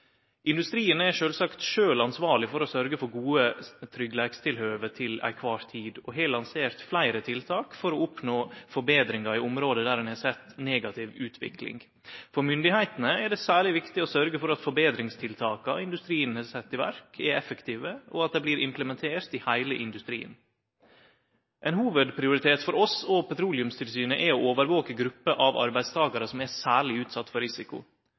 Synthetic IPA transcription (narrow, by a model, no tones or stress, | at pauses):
ʔɪnd̪ʉst̪ɾiːənæʂøːlsɑkt̪ʃøːlɑnsʋɑːɭɪfɔɾɔsœɾɡəfɔɾɡuːət̪ʰɾʏɡlæːɡst̪ʰɪlhøːʋət̪ʰɪlæ̰ɪkʰʋɑːɾt̪ʰiːd̪ɔɦeːlɑnseːɾt̪flæɪɾət̪ʰɪlt̪ʰɑːkfɔɾɔʊpnoːfɔɾbeːd̪ɾɪŋɑɾɪʊmɾoːd̪əd̪æːɾɛnhɑsɛt̪ːneːɡɑt̪ʰɪʋʉːt̪ʰʋɪ̰klɪ̰ŋ | fɔɾmʏnd̪ɪhæɪt̪nəɛɖɛsæːɭɪʋɪkt̪ɪɔsœɾɡəfɔɾɑt̪fɔɾbeːd̪ɾɪŋst̪ʰɪlt̪ʰɑːkɑɪnd̪ʉst̪ɾiːənhɑːsɛt̪ːɪʋæ̰ɾkʰɛɛfəkt̪ʰiːʋəɔ̰ɑt̪̚d̪ɛbliːɾɪmpləmɛnt̪ʰeːɾt̪ɪhæɪləʔɪnd̪ʉst̪ɾḭːn | ʔɛnhuːʋəd̪pʰɾɪʊɾɪt̪ʰeːt̪fɔɾɔsɔpʰɛt̪ʰɾuːlɪʉmst̪ʰɪlsyːnəʔɛɔoːʋəɾʋoːkəɡɾʉpːəʔɑʋɑ̰ɾbæɪst̪ʰɑːɡɑɾəsɔmɛsæːɭɪʉːt̪sɑt̪ːfɔɾɪsɪkʊ̰